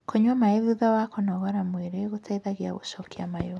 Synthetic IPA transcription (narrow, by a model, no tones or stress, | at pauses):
kʰoɲwamaeðuðawakɔnɔɣaɾamweɾeɣotʰaiðaɣia̰ɣoʃɔkʰia̰majo